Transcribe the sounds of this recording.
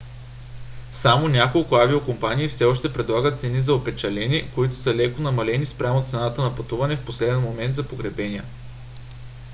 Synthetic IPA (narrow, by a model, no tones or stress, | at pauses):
samonʲakolˠkʊaviokompanʲiːfsɛɔʃt̪ɛpɾɛd̪lˠaɡət̪t̪sɛnizɐopɛt͡ʃɐlɛnʲiɛkoit̪ʊ̥səlɛkʊnɐmɐlɛnispɾʲamot̪sɛnat̪ənɐpɐt̪uvɐnɛfposlɛd̪ɛnmomɛnd̪zɐpoɡɾɛbɛniə